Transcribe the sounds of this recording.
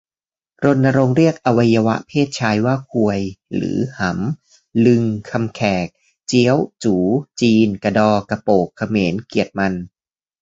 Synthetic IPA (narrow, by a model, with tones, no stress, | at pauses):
ɾo˧nːa˧ɾo˧ŋɾi˥˩ək̚ʔa˧wa˧jːa˧wa̰˦˥ʔpʰeː˥˩t̪̚t͡ɕʰaː˧jwaː˥˩kʰu˧əjɾɯ̰ː˩˦ha˩˦m | lɯ˧ŋkʰa˧mkʰɛː˨˩k̚ | t͡ɕi˦˥ə˩wt͡ɕuː˩˦t͡ɕiː˧nka˧dɔː˧ka˧poː˨˩kʰːa˧meː˩˦nki˨˩ət̪̚ma˧n